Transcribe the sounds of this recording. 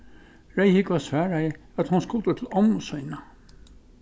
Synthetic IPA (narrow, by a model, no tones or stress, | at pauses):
ɹejhɪkvasvæːɾajɪat̪hʊnskʊlt̪ət̪ʰɪlɔmsɔjna